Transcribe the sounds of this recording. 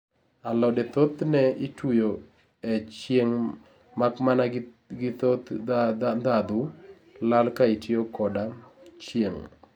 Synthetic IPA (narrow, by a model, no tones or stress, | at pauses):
alɔdet̪ot̪nɛitujo | et͡ʃjeŋ | makmana | ɡɪt̪ot̪ | d̪ad̪ʊ | lalkaitjokɔdat͡ʃjeŋ